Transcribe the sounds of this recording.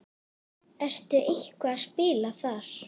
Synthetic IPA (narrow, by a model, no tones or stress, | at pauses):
ɛr̥t̪ʏʔehkvaaðspɪːlaθaɾ̥